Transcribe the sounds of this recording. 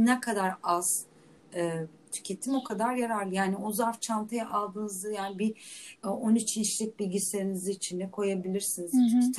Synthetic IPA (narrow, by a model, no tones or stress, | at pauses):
nɛkʰad̪aɾaz̥ | ɯː | t̪ʰy̥cʰe̞t̪ʰimo̞kʰad̪aɾjaɾaɾlˠɯjaːniozaɾft͡ʃʰant̪ʰajaʔalˠd̪ɯːnɯzd̪ajaːnibi | onit͡ʃʰint͡ʃlʲic̚ʲbilʲɟise̞ɾiniziːt͡ʃʰind̪ɛkʰo̞jabilʲiɾsinizt̪ʰ